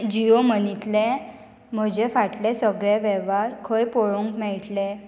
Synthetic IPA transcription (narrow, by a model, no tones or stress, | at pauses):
d͡ʑiomənit̪lẽ | m̤əd͡ʑefaʈlesəɡɭeʋɛʋaɾkʰəjpoɭuŋkmɛɭʈlẽ